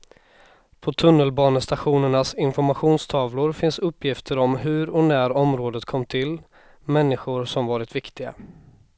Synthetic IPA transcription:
pʰɔt̪ʰɵnːəlbɑːnəst̪aɧuːnəɳasɪnfɔɾmaɧuːnst̪ʰɑːvlʊɾfɪnsɵpːjɪft̪ʰəɾɔmɦɵɾɔnæɾɔmɾoːd̪ət̪kʰɔmːt̪ʰɪl | mɛnːɪɧʊɾsɔmvɑːɾɪt̪vɪkt̪ɪɡa̰

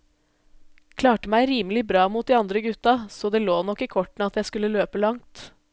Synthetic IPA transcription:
kʰlɑːʈəmæɪɾiːməlɪbɾɑːmuːt̪̚d̪iːɑnd̪ɾəɡʉt̪ːɑsɔd̪eːloːnɔkːiːkʰɔʈɳ̩ɑt̪jæɪskʉlːəløːpəlɑŋt̪

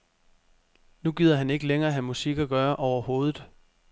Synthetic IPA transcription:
nuɡ̥ið̰ˠɐɦæne̝ɡ̥əleŋɐːɦæmusiɡ̥æɡ̥ɶːɐʔɒʊɐho̝ːð̞ˠð̩ˠ

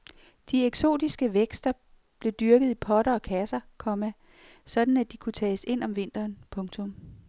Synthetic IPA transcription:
d̥ieɡ̥so̝̰ːd̥isɡ̥əʋeɡ̥sd̥ɐ | b̥le̝d̥yɐɡ̥ð̞̩ˠipʰɒ̽ɾ̥ɐɒ̽kʰæsɐkʰɒ̽mæ | sɒ̽d̥n̩æd̥ikʰut͡sʰɛːse̝n̰ɒ̽mʋe̝n̰d̥ɐːnpʰɔ̽ŋt͡sʰɔ̽m

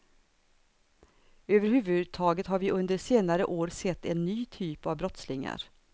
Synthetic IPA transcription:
øːvəɾhʉ̟ːvɵd̪̚t̪ʰɑːɡət̪haɾvɪʔɵnd̪əʂeːnaɾəʔoːɾsɛt̪ːɛnːyːt̪ʰyːpavbɾɔt̪slɪŋa̰ɾ

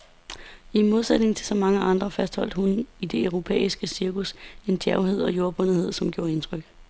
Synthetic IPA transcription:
imo̝ð̞ˠsed̥ne̝ŋn̩t͡sʰe̝lsɒ̽mɑ̈ŋəʔɑ̈nd̥ʁɐfæsd̥hɒ̽l̰d̥hunid̥e̝øʊʁo̝pʰḛːisɡ̥əsiɐkuse̝ndʰjæɐʊɦe̝ð̞̰ˠɒ̽jo̝ːɐb̥ɔ̽n̰ð̩ˠhe̝ð̞̰ˠsɒ̽mɡ̥jo̝ːɐe̝nt͡sʰʁœɡ̥

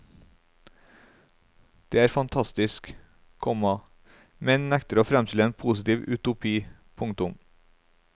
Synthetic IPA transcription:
d̪̥eːæːɾfɑnt̪ʰɑst̪ɪsk | kʰɔmɑ | mɛnnɛkt̪əɾoːfɾɛmst̪ɪləeːnpʰuːsɪt̪iːʋʉ̰t̪ʊpʰiː | pʰʊŋt̪ʊm

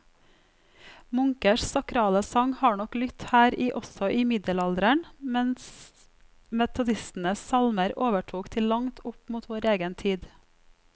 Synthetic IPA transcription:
mʊŋkəʃsɑkɾɑːləsɑŋhɑːɳɔklʏt̪hæːɾiːʔɔsɔʔiːmɪd̪əlɑld̪ɾəɳmɛns | mɛt̪ʊd̪ɪst̪n̩əssɑlməɾoːʋəʈʰuːkt̪ʰɪlːɑŋt̪ʰʊpmuːt̪ʰʋoːɾeːɡənt̪ʰiːd̪

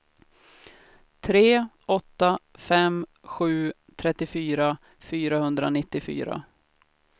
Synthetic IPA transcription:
t̪ʰɾeːʔɔt̪ːafɛmɧʉ̟ː | t̪ʰɾɛt̪ːɪfyːɾa | fyːɾahɵnd̪ɾa̰nɪt̪ːɪfy̰ːɾa̰

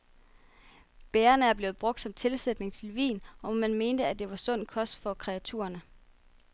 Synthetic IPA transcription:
b̥eːɐnəæɐb̥le̝ːʊb̥ʁɔ̽ɡ̥̚d̥sɒ̽mt͡sʰe̝lsed̥ne̝ŋt͡sʰe̝lʋḭːnɒ̽mmænme̝ːnd̥əæd̥e̝ʋɑ̈sɔ̽n̰kʰɒ̽sd̥fɒ̽kʰʁɛæt͡sʰṵːɐnə

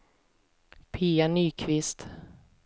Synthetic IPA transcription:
pʰiːanyːkʰvɪst̪

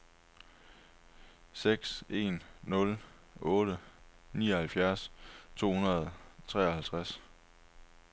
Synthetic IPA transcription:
seɡ̥se̝̰nːɔ̽l | ʔɔ̽ːɾ̥ə | niːɒhælfjæɐst͡sʰo̝̰ːhunɐð̞̩ˠt͡sʰʁɛ̰ːɐhælt͡sʰʁas

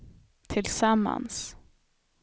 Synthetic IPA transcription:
t̪ʰɪlsamːa̰ns

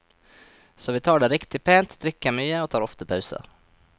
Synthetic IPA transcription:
sɔvɪt̪ʰɑːɖɛɾɪkt̪ɪpʰeːnt̪d̪ɾɪkːaɾmyːəɔt̪ʰɑːɾɔft̪əpʰɑʉsə̰

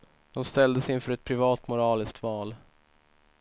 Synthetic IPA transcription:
d̪̥ɔmst̪ɛld̪əsɪnfœɾɛt̪̚pʰɾɪvɑːt̪mʊɾɑːlɪsk̚t̪vɑːl

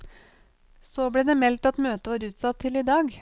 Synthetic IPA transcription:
soːbɽeːd̪eːmɛlt̪ɑt̪møːt̪əʋɑːɾʉːt̪sɑt̪ʰːɪliːd̪ɑːɡ

